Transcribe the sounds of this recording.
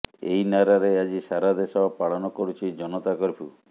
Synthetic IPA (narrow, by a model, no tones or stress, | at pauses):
ḛjnaɾaɾead͡ʒisaɾad̪esɔbɔpaɭɔnɔkɔɾut͡ʃʰid͡ʒɔnɔt̪akɔɾpʰu